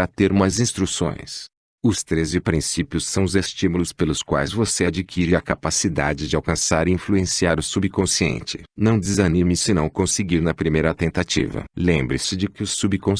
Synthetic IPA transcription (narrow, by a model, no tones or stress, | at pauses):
ɾat̪eɾumɐzĩst̪ɾusõ̰j̃s | ʊst̪ɾezd͡ʒɪpɾĩsipjʊssːɐ̃w̃ʊzest͡ʃimulʊspelʊskwa̰jzvosead͡ʒikʰiɾɪɐkapasid̪ad͡ʒɪd͡ʒɪawkɐ̃saɾɪĩfluẽsiaɾʊsubikõsiḛ̃nt͡ʃɪ̥̰nɐ̃w̃d͡ʒɪzɐnimɪsɪnɐ̃w̃kõsɪɡiɾnɐpɾimejɾɐt̪ẽnt̪at͡ʃḭvɐ̰lẽmbɾɪsɪd͡ʒɪkɪʊsubkõ